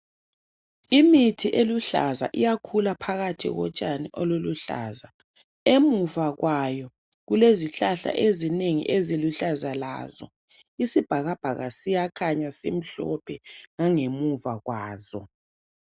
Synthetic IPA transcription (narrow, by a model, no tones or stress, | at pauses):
imitʰiʔeluɬa̰za̰ʔijakʰulapʰaɣatʰḭɣɔ̰t͡ʃʼaniʔɔloluɬa̰ːza | emuvaɣwajɔ | ɣuleziɬaɬa̰ʔezineŋḭʔeziluɬazala̰ːzɔ̰ | isib̥ʱaɣab̥ʱaɣasijakʰaɲasḛm̩ɬɔ̰pʰɛŋaŋemuvaɣwaːzɔ̰